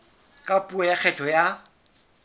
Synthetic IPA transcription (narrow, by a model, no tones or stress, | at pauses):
kʼapʼuɛjak͡xʰɛtʰɔja